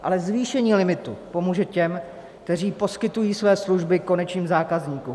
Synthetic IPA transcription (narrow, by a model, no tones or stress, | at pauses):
ʔa̰lɛzviːʃɛɲiːlɪmɪt̪ṵpo̞muːʒɛcɛm | kkt̪ɛr̝iːpo̞skɪt̪ujiːsvɛːsluʒbɪko̞nɛt͡ʃɲiːmzaːkazɲiːku